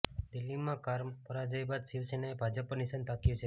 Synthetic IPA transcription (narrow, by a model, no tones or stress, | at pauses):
d̪ɪlːimãkaɾmpəɾad͡ʒəjbad̪siʋsenebʱad͡ʒəpənisənt̪akjũt͡ʃʰe